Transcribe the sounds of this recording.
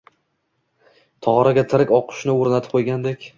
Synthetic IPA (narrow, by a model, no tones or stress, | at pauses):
t̪ʰɒʁɾaɡʲat̪ʰɪɾɪkʲɒqʰʊ̥ʃnɪoɾnat̪ʰɪp̚qʰojɡʲand̪ekʲ